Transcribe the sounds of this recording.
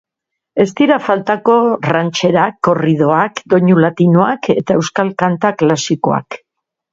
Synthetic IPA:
e̞st̪iɾafalt̪ako̞rant͡ʃe̞ɾakːo̞rið̞o̞akd̪o̞ɲulat̪ino̞ake̞t̪ae̞wskalkant̪aklasiko̞̰a̰k

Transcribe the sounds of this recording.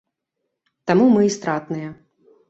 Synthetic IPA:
t̪amumɨist̪ɾat̪nɨjɐ

